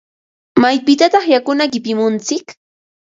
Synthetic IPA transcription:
majpɪt̪at̪ɑχjakʊnakɪpɪmʊnt͡sɪk

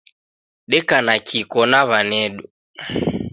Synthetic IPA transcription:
ɗɛkanakikɔnaβanɛɗu

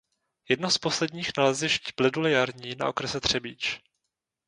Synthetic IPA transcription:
jɛdnospo̞slɛdɲiːxnalɛzɪʃcib̥lɪdulɪjaɾɲiːna̰ʔo̞kɾɛsɛt̪r̝̥ɛbiːt͡ʃ

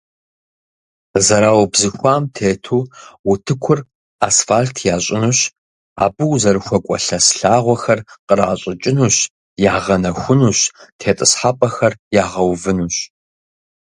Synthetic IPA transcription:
zɐɾaːwbzɨxʷaːmtʰeːtʰuːwʊtʰɨkʷʰʊr | a̰ːsfaːɬtʰjaːɕʼɪnuɕ | a̰ːbɨwzɐɾɨxʷɔkʷʼɔ̰ɬɐsɬaːʁʷɔxɐrqəɾaːɕʼɪt͡ʃʼɪnuːɕ | jaːʁɐnɐxʷʊnuːɕtʰeːtʼɨsħapʼɐxɐrjaːʁɐwvɨnuːɕ

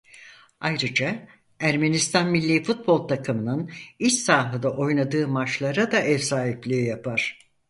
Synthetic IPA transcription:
ajɾɯd͡ʒa | æɾme̞nist̪ʰanmilʲːifut̪̚bo̞lˠt̪ʰakʰɯmɯnɯnit͡ʃsaːɦɯd̪aʔo̞jnad̪ɯːmat͡ʃlˠaɾad̪aʔɛfsaːɦiplʲiːjapʰaɾ̥

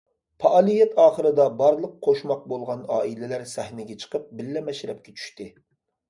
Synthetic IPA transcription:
pʰɑʔɑːlˠijɛt̪ʰɑːχəɾɨd̪ɑbɑɾlˠəqqʰːoʃmɑq̚bolˠʁɑnɑːilɪlæɾsæhnɪɡʲɛt͡ʃʰə̥qʰəp̚bɪlːɛmɛʃɾɛp̚kʲɛt͡ʃʰy̥ʃt̪ɪ

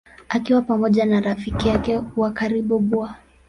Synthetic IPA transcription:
akiwapamɔʄanaɾafikijakɛwakaɾiɓuɓua

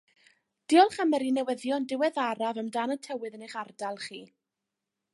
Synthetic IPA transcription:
d̥iɔlˠχamɛɾinɛwəðjɔndɪwɛðaɾavəmdaːnətʰɛwɨðənɪχardalˠχiː

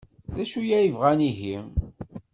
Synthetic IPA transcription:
ðæʃujæjəvʁæniɦim

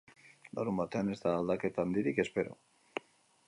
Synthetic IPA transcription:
laɾumbat̪e̞ane̞zt̪aːld̪ake̞t̪aand̪iɾike̞spe̞ɾo̰

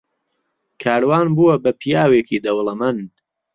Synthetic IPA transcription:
kʰaːɾwaːnbuwɐbɐpʰijaːweːkʰiːd̪ɐwlɐmɐn

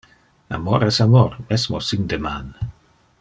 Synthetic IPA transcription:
a̰mɔɾɛsamɔɾmɛsmosind̪eman

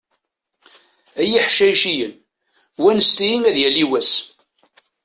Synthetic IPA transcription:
æjiħʃæjʃijən | wænəst̪ijiŋæðjæliwæs

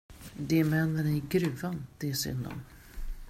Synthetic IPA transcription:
d̪ɛmɛnːənæɾɡɾʉ̟ːvand̪̥ɛːsʏ̰nd̪ɔ̰n

